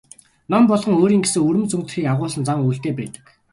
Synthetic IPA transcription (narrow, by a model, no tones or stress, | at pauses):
nɔmpɔɮʁχɞ̆ŋoːɾiːŋɡesɘ̆ŋɵɾɵ̆mt͡sɵŋt̪ɘ̆xiːkaʁʊːsə̆nt͡saŋujɬt̪eːpæːt̪ə̥̆k